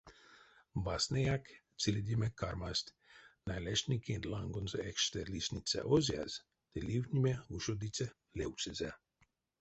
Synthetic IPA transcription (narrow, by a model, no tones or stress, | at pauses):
basnejakt̪t͡silʲed̪ʲimekaɾmasʲt̪ʲ | najlʲeʃnʲikʲind̪lˠaŋɡonzeɛkʃt̪ɛlisʲnʲit̪sʲɛ̰ʔozʲia̰z | d̪̥elʲivnʲimʲeuʃod̪it͡s̪ʲɛ | lʲewsezʲɛ